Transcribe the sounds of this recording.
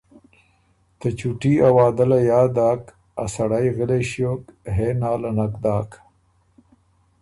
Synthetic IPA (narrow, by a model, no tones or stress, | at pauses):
t̪ət͡ʃuʈiawaːd̪alajaːd̪aːk | a̰saɽajɣəleʃjoːkɦenaːlanakd̪aːk